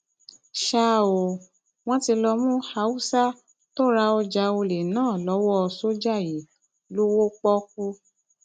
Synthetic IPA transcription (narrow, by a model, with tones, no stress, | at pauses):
ʃa˦˨o˨ | w̃ɔ̃˦ti˧lɔ˧mũ˦ha˧˦wu˦sa˦ | to˦ɾa˧ɔ˧d͡ʒa˧o˧le˨nãː˦˨lɔ˨˦wɔ˦ɔ˧so˦d͡ʒa˦˨ji˨˦ | lo˦wo˦k͡pɔ˦k̚u˦